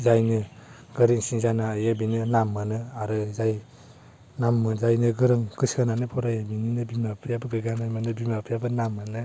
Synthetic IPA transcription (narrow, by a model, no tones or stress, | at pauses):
zajnɯ | ɡɯɾiŋsiŋzanaajabinɯnamːanɯaɾɯzaj | namːɯzajnɯɡɯɾɯŋkɯskananɯpʰɔɾajabininɯbimapʰjabɯɡɯɡanajmanɯbimapʰjabɯnamːanɯ